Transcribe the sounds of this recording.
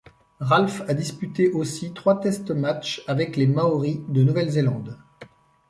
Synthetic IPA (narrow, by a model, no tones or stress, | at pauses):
ʁalfad̪ispyt̪eʔosit̪χwat̪ɛst̪mat͡ʃavɛklemaɔʁid̪ənuvɛlzelɑ̃d̪